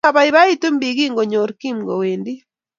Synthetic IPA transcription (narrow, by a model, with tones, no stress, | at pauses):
a˨βa˨iβa˦i˦to˦mbi˨ɣi˦ŋɡɔ˨ɲɔ˨ɾki˦mɡɔ˨we˨ndi˦